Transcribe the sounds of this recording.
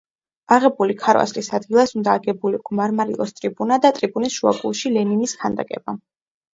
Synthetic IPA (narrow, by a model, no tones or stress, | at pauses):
aʁɛbulikʰaɾwa̰slisad̪ɡilˠasund̪aːɡɛbuliɡmaɾmaɾḭlˠɔst̪ʼɾibunad̪at̪ʼɾibunisʃua̰kʼṵlˠʃilɛniniskʰand̪a̰kʼɛba